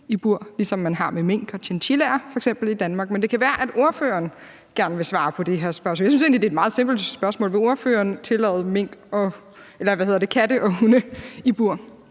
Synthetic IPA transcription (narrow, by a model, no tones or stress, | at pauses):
ib̥uɐ̰lisɒ̽mːænɦɑ̈meme̝ŋ̰ɡ̥ɒ̽t͡ɕʰent͡ɕʰilæɐfɒ̽eɡ̥semb̥l̩id̥ænmɑ̈ːɡ̥mend̥e̝kʰæʋæːɐʔæd̥o̝ɐfø̰ɐːn | ɡ̥æɐnʋe̝sʋɑ̈ːpʰɒ̽d̥eɦeɐ̰sb̥ɶɐsmɔːljsynse̝ɡnlide̝ːd̥mɑ̈ːð̩ˠse̝mb̥l̩d̥sb̥ɶɐsmɔ̰ːlʋeo̝ɐfø̰ːɐːnt͡sʰe̝lɛ̰ːð̞̩ˠmeŋ̰ɡ̥ɒ̽ | elɐʋæheð̰ˠɐd̥e̝kʰæd̥əʔɒ̽unəib̥uɐ̰